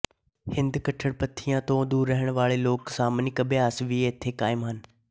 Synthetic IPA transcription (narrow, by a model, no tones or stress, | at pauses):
hɪ̃nd̪kɐʈʰəɽpɐt̪ʰːijãt̪õːd̪uːɾːəɦəɽ̃ʋaːɭeloːksaːmnɪkəbɪjaːsʋieːt̪ʰekaːɪmɦən